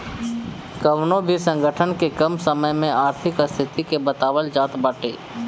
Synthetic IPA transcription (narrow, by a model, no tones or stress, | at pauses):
kəwnõbʱisə̃ŋɡəʈʰənkekəmsəməjmẽʔaːɾt̪ʰɪkəst̪ʰɪt̪ikebət̪aːwəld͡ʒaːt̪baːʈḛː